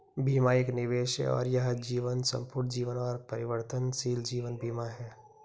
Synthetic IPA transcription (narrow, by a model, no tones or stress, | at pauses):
biːmaɪknɪʋeːʃḛɔ̰ːɾjɐɦd͡ʒiːʋənsə̰̃mpʊɾd͡ʒiːʋənɔːɾpɐɾɪʋəɾt̪ənsiːld͡ʒiːʋənbiːmaɦɛː